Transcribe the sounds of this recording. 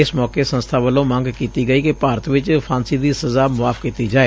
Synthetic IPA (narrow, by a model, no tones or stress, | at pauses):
ɪsmɔːkeːsə̃nst̪ʰaːʋəlõːmə̃ŋɡkiːt̪iːɡəiːkɪpaːɾət̪ʋɪt͡ʃpʰãːnsiːd̪iːsəzaːmʊaːfkiːt̪iːd͡ʒaːeː